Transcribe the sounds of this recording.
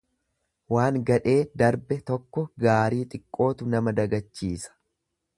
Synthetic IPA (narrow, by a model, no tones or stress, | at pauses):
waːŋɡɐᶑe̞ːd̪ɐɾbɛt̪ɔkːɔɡaːɾiːt̪ʼɪkʼːo̞ːt̪ʊnɐmɐd̪ɐɡɐt͡ʃːiːsɐ̥